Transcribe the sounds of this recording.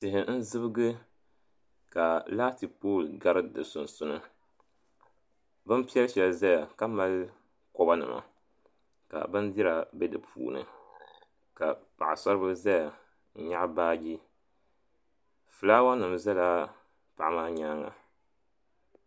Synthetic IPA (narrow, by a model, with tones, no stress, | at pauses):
tɪ˨ɦɪ˨n̩˦zɨ˦bɨ˦ɡɨ˦ | ka˨laː˦ti˨poː˦˨lɡa˦ɾɨ˦dɨ̰˨sʊ˨nsʊ˦nɨ˦ | bɨ˦npi˦ɛ˦lʃɛ˨lza˦ja˨ka˦ma˦l | kɔ˦ba˦nɨ̰˨ma̰˨ | ka̰˨bɨ˦ndi˦ɾa˨bɛ˦dɨ˨pʰṵː˨nɨ̰˨ | ka˨pa˨ʔa̰˨sɔ˦ɾɨ˦bɨ˦za˦ja˨˦ | ɲa˦ʔbaː˦ɡi˦ | fɨ˨laː˦wa˦nɨ˨mza˦la˦ | pa˨ʔa˦maː˦ɲaː˦ŋa̰˨